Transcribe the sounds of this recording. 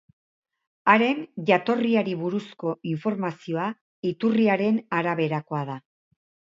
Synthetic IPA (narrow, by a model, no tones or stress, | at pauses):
aɾe̞nʝat̪o̞riaɾiβuɾusko̞iɱfo̞ɾmasio̞a | it̪uriaɾe̞naɾaβe̞ɾako̞aða